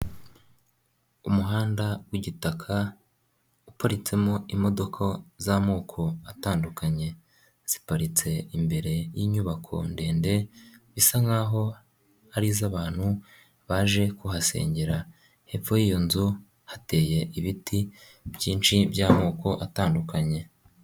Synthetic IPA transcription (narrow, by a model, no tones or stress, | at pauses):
umuɦaːndawiɟitakʰa | upaɾit͡se̞mo̞imo̞do̞kʰo̞zamoːkʰo̞ataːndukaɲe̞ | z̥i̥paɾit͡se̞imbe̞ɾe̞jiɲuβakʰo̞̰nde̞ːnde̞βisaŋaːɦo̞ | aɾizaβaːn̥hu | βaːʒe̞kuɦase̞̰ːɲɟeɾa | he̞fo̞jijonzu | hate̞ːje̞ʔiβiti | bjiːnt͡ʃibjaːmoːko̞ʔataːndukaɲe̞